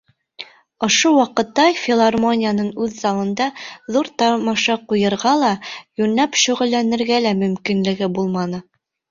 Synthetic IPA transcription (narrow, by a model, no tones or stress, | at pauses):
ŏʃowɑqɤ̆t̪ːɑfʲɪlˠarmonʲɪjanɤɴʉðzɑlˠɤ̆nd̪ɑðuɾt̪ɑmɑʃɑqujɤ̆ɾʁɑlˠɑjʉnlæpʃɵ̆ʁɵ̆lːænɘ̆ɾɡælæmɵ̆mkinlɘ̆ɡɘbulˠmɑnɤ